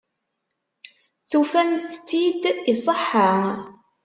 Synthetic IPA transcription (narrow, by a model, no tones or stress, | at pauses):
θufænθt͡sːid̪isˤəħːa